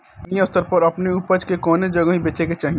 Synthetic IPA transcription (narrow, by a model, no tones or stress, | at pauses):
ĩʊst̪əɾpɐɾɐpneupəd͡ʒkekɔːned͡ʒɐɡãɦibeːt͡ʃeket͡ʃaːɦi